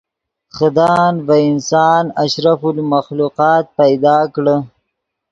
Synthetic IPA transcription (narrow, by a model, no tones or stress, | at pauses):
xad̪ɑːnvaɪnsɑːnaʃɾafʊlmaxluqɑːt̪̚pajd̪ɑːkɽə